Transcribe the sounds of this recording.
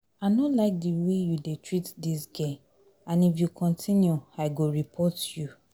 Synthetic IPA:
aɪnolaɪk̚diwejudetɹitdisɡe | ãnifjukʰɔ̃ntʰĩnjuaɪɡoɹipʰɔtju

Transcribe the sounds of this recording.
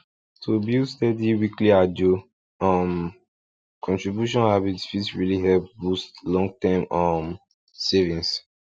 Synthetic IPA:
tʰubistɛdiwikliad͡ʒu | ʌm | kʰɔ̃ntɹibjuʃɔ̃nabitfitsɹiliɦɛlp̚bustlɔ̃ŋɡ̚tãmʌm | sevĩns

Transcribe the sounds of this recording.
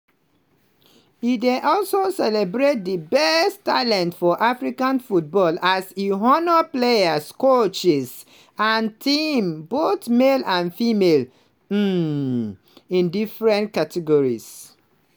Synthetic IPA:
ideʔɔlsosɛlɛbɹet̚dəbɛstːalɛ̃ntfɔʔafɹikãnfut̚bɔlasiɦɔnɔpleaskot͡ʃɛs | ãntʰĩmbotmelãnfimel̩ | ĩndifɹɛ̃nt̚katʰɛɡɔɹis

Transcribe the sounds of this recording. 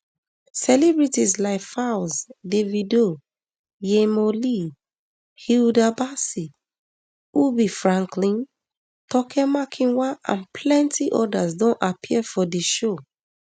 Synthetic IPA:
sɛlɛbɹitislaɪkfaʊsdevido | jemoli | hildabasi | ubifɹãŋklĩn | tɔkʰɛmakʰĩnwaã̰npʰlɛ̃ntiʔɔdasdõnʔapʰiɛfɔdiʃo

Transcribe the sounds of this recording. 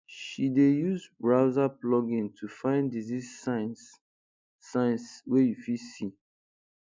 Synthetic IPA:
ʃidejuzbɹaʊzaplɔɡĩntʰufãɪ̃ndizizans | sãɪ̃nswejufisi

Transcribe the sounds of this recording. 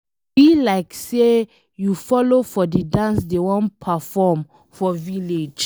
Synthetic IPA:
b̥ilaɪkse | jufɔlofɔdədãnsdewɔ̃npʰafɔm | fɔviled͡ʒ

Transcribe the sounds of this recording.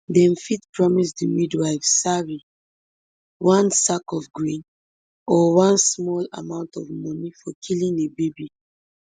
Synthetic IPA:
dɛ̃mfitpɹɔmisdimidwaɪfsaɹi | wãnsakɔfɡɹĩn | ɔwãnsmɔla̰mãʊ̃ntɔvmɔnifɔkʰilĩnebebi

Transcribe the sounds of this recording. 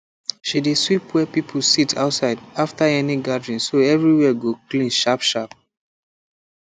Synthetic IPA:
ʃideswipwɛpipʰl̩sitʰa̰ʊtsaɪdaftaɛniɡadɹĩnsoɛvɹiwɛɡoklĩnʃapʃap̚

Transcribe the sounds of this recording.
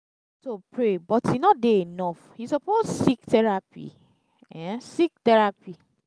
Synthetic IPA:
sopɹebɔthinɔtdeenɔfhisɔpossiktɛɹapḭ | ɛ̃sik̚tɛɹapi

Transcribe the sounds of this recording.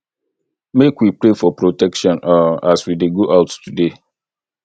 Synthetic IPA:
mekwipɾefɔpɾotɛkʃɔ̃naaswideɡoʔaʊttʰude

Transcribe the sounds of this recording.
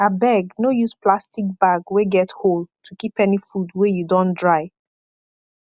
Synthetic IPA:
abɛɡnojusplastik̚baɡweɡɛthold̚tʰukipɛnifudwejudõndɹaɪ

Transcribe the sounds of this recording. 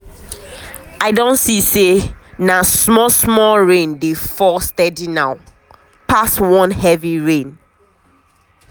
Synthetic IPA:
aɪdõntsisenasmɔsmɔlɹẽndefɔstɛdinaʊ | paswɔ̃nhɛviɹẽn

